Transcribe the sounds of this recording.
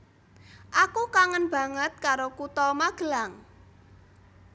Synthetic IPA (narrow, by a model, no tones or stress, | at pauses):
ʔakukaŋənb̥ä̤ŋət̪̚kaɾokut̪ɔmaɡ̥əlaŋ